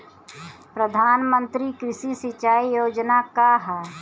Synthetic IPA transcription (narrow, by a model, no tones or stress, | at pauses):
pɾəd̪ʱaːnmə̃nt̪ɾikɾɪsisɪt͡ʃaːijoːd͡ʒnakaɦɛː